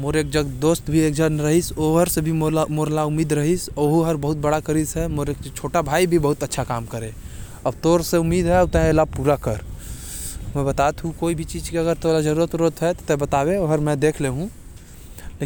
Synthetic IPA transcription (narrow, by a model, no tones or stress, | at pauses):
moːɾeːk̚d͡ʒəɡd̪oːst̪bʱieːk̚d͡ʒənɾəɦisoɦəɾsebʱimmoːɾlaʊmiːd̪ɾəɦisoɦoɦəɾbəɦʊt̪̚bəɽakəɾisɦɛmoːɾekt͡ʃʰoːʈabʱaːibʱibɐɦʊt̪ətːʃʰakaːmkəɾẽ | əbt̪oːɾseʊmːiːd̪ɦɛʊt̪ɛlapuːɾakəɾ | mɛ̃bət̪at̪ɦũkoːibʱit͡ʃiːd͡ʒkeəɡəɾt̪olad͡ʒəɾuːɾət̪ɾot̪ɦɛt̪ot̪ɛbət̪aːbẽoɦəɾmɛ̃d̪eːkʰleɦũ | le